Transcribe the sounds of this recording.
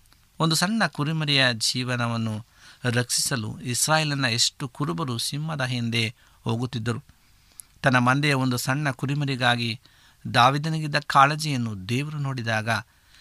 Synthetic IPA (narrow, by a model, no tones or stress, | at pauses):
o̞nd̪usɐɳːɐkuɾimɐɾijɐd͡ʒiːʋɐnɐʋɐnːu | ɾɐksi̥sɐlṵisɾaːjeːlɐnːɐe̞ʂʈukuɾubɐɾusimːɐd̪ɐɦind̪e̞ | ho̞ːɡut̪ːid̪ːɐɾu | t̪ɐnːɐmɐnd̪ɛjɐo̞nd̪usɐɳːɐkuɾimɐɾiɡaːɡi | d̪aːʋiːd̪ɐnɐɡid̪ːɐkaːled͡ʒijɐnːud̪eːʋɐɾuno̞ːɽid̪aːɡɐ